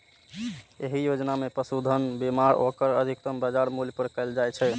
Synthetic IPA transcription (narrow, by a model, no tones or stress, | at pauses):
eɦijod͡ʒnamepəsud̪ʱənbimaɾokəɾəd̪ʱikt̪əmbəd͡ʒaɾmuljpəɾkəɪld͡ʒajt͡ʃʰɛ